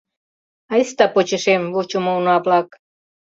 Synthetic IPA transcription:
ɑest̪ɑpot͡ɕeʃemβut͡ɕumounoɑplɑk

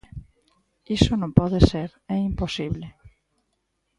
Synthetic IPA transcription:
isonõmpɔðeseɾɛimposiβle

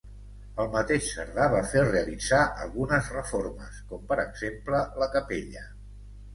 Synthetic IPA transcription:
əlˠmət̪eʃsə̰ɾðaβafereəlid͡zaʔə̰lˠɣunəzrəfoɾməskɔmpəɾəɡz̥emplələkəpeʎə

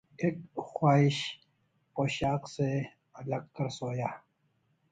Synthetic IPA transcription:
eːkxwaːɪɕ | poːɕaːqse | ɐlɐɡ̚kɐɾsoːjaː

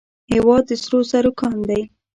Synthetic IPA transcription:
hewɑd̪ːəsɾosaɾʊkɑnd̪aj

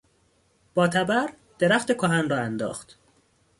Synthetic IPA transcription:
b̥ɒːt̪ʰæbæɾ | d̪̥eɾæxt̪ekʰoɦænrɒːænd̪ɒ̰ːxt̪

